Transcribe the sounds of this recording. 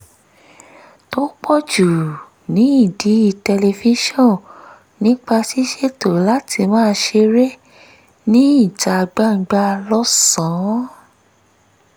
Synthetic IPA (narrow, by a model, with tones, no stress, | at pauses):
to˦k͡pɔ˦˨d͡ʒu˨ | nĩ˨˦i˦˨di˨˦i˦˨tɛ˧le˧fi˦ʃɔ̃˦˨ | nĩ˦k͡pa˧si˦ʃe˦˨to˨la˦tʰi˧mãː˦ʃe˧ɾe˦ | nĩ˦i˦˨ta˧ɡ͡ba˦˨ŋ̩˨˦ɡ͡ba˧lɔ˦sã˨˦